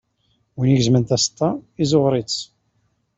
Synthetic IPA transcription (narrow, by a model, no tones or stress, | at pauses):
winiʝzmənt̪æst̪ːɑizʊʁɾit͡s